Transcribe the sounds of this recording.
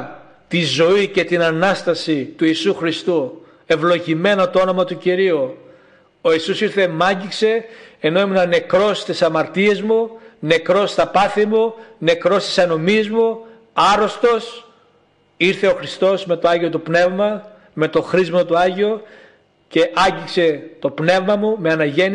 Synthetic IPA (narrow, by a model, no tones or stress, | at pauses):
t̪izo̞ice̞t̪inɐnɐst̪ɐsit̪uiːsuxɾist̪u | e̞vlo̞ʝime̞not̪oo̞nomɐt̪uciɾiu | o̞isusiɾθe̞mɐɲɟikse̞ːno̞eminɐne̞kɾo̞st̪isɐmɐɾt̪ie̞zmune̞kɾo̞st̪ɐpɐθimune̞kɾo̞st̪i̥sɐno̞mizmu | ɐɾo̞st̪o̞s | iɾθe̞o̞xɾist̪o̞zme̞t̪oɐʝio̞t̪upne̞vmɐ | me̞t̪o̞xɾizmɐt̪uɐʝio | ce̞ʔɐɲɟikse̞t̪o̞pne̞vmɐmume̞ɐnɐʝe̞n